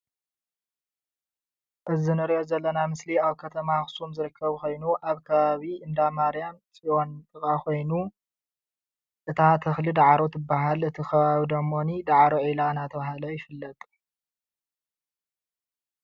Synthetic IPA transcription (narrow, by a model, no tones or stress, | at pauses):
ʔɨzinɨɾiʔo̞zɐlːɐnamɨsliaβkʰɐt̪ʰɐmaxsumzɨɾɨkʰːɐβko̞jnuʔaβkʰɐβaβiʔɨnd̪amaɾijamsʼiʔo̞nt̪ʼɨkʼakʰo̞jnu | ʔɨt̪ʰat̪ʰɐxlid̪aʕɾot̪ʰɨbːaɦalɨt̪ʰikʰɐβaβid̪ɐmːo̞nid̪aʕɾoʕilanat̪ʰɐβahalojɪfɨlːɐt̪ʼ